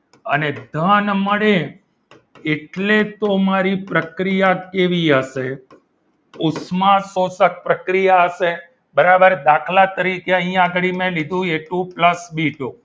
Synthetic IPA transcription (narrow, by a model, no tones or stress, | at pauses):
ə̰ned̪ʱanməɽe | eʈlet̪omaɾipɾəkɾijakeʋiəʃe | ʊsmasosək̚pɾəkɾijaəʃe | bəɾabəɾd̪akʰlat̪əɾikeəɦĩaɡəɭimẽlid̪ʱũeʈũpləsbiʈũ